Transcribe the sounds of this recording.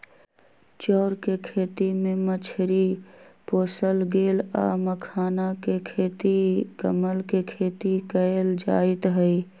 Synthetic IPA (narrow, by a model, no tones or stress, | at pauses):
t͡ʃɔːɾkekʰeːt̪imẽmət͡ʃʰɾipoːsəlɡeːla̰ːməkʰaːnakekʰeːt̪ikəməlkekʰeːt̪ikəeld͡ʒa̰ːɪt̪ɦəi